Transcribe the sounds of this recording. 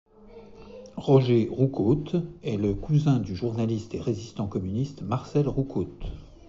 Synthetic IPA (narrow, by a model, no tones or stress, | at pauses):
ʁɔʒeʁukot̪ɛləkuzɛ̃d̪yʒuʁnalist̪eʁezist̪ɑ̃kɔmynist̪maʁsɛlʁukot̪